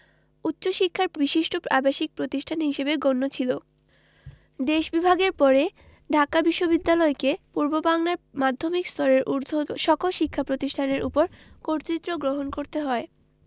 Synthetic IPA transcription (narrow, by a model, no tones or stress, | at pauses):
utːɕoʃikʰːaɾbiʃiʃʈʰoabaʃik̚pɾot̪iʃʈʰanɦiʃebeɡonːot͡ɕʰilo | d̪eʃbibʱaɡeɾpɔɾe | ɖʱakabiʃːobid̪ːalɔekepuɾbobaŋlaɾmad̪ʱːomikst̪ʰɔɾeɾʔuɾd̪ʱoʃɔkolʃikʰːapɾot̪iʃʈʰaneɾʔupoɾkoɾt̪ɾit̪ːɾoɡɾoɦonkoɾt̪eɦɔe